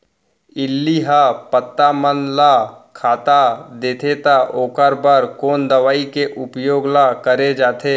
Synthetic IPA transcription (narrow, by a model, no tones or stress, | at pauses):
ɪlːiɦapət̪ːamənlakʰaːt̪ad̪eːt̪ʰet̪aʔoːkəɾbəɾkoːnd̪əʋaːikeʔʊpjoːɡlakəɾed͡ʒaːt̪ʰeː